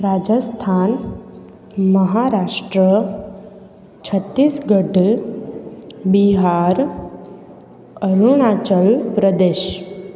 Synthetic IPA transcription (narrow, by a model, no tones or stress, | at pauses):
ɾad͡ʒəst̪ʰaːn | məɦaɾaʂʈɾə | t͡ɕʰət̪ːiːsɡəɖ | biɦaɾ | əɾuɽ̃at͡ɕəɭpɾəd̪eːɕ